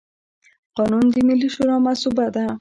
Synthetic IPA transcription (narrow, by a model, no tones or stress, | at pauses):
qɔnund̪imiliʃuɾɔmasubad̪a